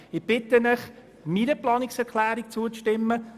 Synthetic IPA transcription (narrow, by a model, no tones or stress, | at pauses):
ɪb̥ɪt̪ənəχ | minəplɑːnɪksɛɾkʰlæːɾik̚t͡suət͡sʃtɪmːə